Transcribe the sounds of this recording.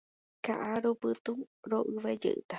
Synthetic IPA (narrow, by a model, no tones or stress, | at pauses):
ka̰ʔaɾopɨt̪uɾoʔɨβed͡ʒḛʔɨ̰t̪a